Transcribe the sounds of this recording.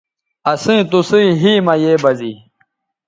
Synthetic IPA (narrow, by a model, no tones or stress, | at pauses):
ɐsĩːt̪usĩɦiːmɐjeːbɐziː